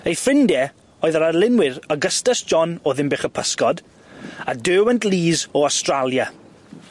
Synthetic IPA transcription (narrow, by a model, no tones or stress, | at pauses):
ejfrɪndɛ | ɔːɨðəɾarlˠɪnwɪɾaɡəstasd̥d͡ʒɔnɔðɪmbeχəpʰəskɔd | adøːwɛntlˠiːzɔastralˠja